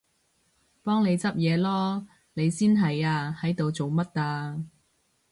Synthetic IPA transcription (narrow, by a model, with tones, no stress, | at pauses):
pɔː˥ŋne˨˧jt͡sɐ˥p̚jɛː˨˧lɔː˥ | ne˨˧jsiː˥nɦɐ˨jaː˧hɐ˨˥jt̪o˨wt͡so˨wmɐ˥t̚ːaː˧